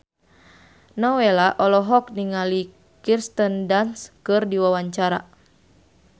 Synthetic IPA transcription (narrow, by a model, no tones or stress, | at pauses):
nɔwelaʔɔlɔɦɔk̚niŋali | kirst̪əndanskɨrdiwawaɲt͡ʃaɾa